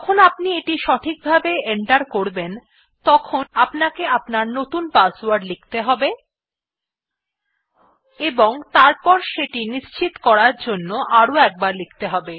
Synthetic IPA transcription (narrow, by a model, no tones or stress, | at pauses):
kʰonapnieʈiʃɔʈʰik̚bʱabeeɳʈaɾkoɾben | t̪ɔkʰonapnakeapnaɾnot̪unpasowaɾɖlik̚ʰt̪eɦɔbe | eboŋt̪aɾpɔɾʃeʈiniʃt͡ɕit̪kɔɾaɾd͡ʑonːoʔaɾoɛk̚baɾlik̚ʰt̪eɦɔbe